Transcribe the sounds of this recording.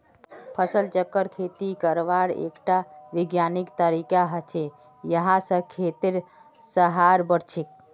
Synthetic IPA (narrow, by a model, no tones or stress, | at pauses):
pʰəsəlt͡ʃəkːəɾkʰet̪ikəɾʋaɾḛkʈaʋiɡjanikt̪əɾikaɦət͡ʃʰe | jəɦãsə̃kʰet̪iɾ | səɦaɾbəɽt͡ʃʰik̚